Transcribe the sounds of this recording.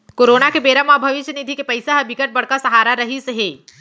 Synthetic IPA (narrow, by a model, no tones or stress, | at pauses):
koːɾoːnakebeːɾamabʱɐʋɪʃjənid̪ʱikepɐɪsaɦəbɪkəʈ̚bɐɽ̤kasɐɦaːɾaɾɐɦiseɦeː